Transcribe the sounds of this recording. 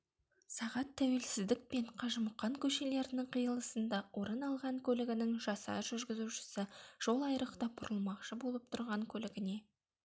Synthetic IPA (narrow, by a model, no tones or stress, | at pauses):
sɑʁɑt̪ʰːæwe̞lsɪzd̪ɪk̚pe̞ɴqʰɑʒəməqːɑŋkʲʰɵʃe̞le̞ɾɪnɪŋqʰijəlˠəsənd̪ɑwo̞ɾənɑlˠʁɑŋkʲʰɵlɪɡʲɪnɪŋʒɑsɑ̰ʒʏɾɡʲɪzuʃɪ̥sɪʒ̥o̞lˠɑjɾəqt̪ɑbʊɾʔəlˠmɑqʃəbo̞lˠəp̚t̪ʰʊɾʁɑŋkʲʰɵlɪɡʲɪne̞